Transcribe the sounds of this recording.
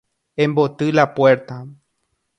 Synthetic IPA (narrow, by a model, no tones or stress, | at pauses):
ẽmbot̪ɨlapwe̞ɾt̪a